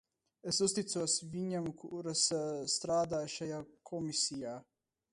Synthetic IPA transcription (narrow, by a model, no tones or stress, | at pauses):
esust̪it̪suɔsvʲiɲamkuɾasst̪ɾaːd̪aːjʃajaːkʰɔmisʲijaː